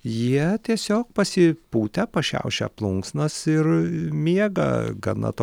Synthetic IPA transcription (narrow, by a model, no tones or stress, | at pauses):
jiɛt̪ʲiɛsʲoːk̚pɐsʲɪpuːt̪ʲɛpɐʃʲɛ̰ʊʃʲɛ̰plˠʊŋksnɐsɪrmʲiɛɡɐ̰ɡɐ̰nɐ̰t̪oː